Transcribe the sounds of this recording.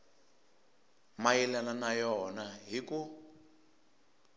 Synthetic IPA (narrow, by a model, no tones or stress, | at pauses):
majilananajɔnaɦiku